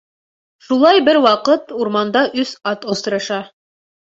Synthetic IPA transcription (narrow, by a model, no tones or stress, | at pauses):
ʃulˠɑjbɘɾwɑqɤt̪uɾmɑnd̪ɑʔɵsɑt̪ŏst̪ɤ̆ɾɤ̆ʃɑ